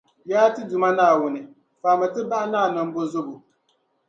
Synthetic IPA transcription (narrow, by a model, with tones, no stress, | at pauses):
jaː˦tɨ˦dʊ˨ma˦naː˦˨wʊ˦nɨ˨ | faː˨mɨ˨tɨ˦ba˦ʔa˦naː˦˨nɔ˦m˦bo˦zʊ˦bʊ˨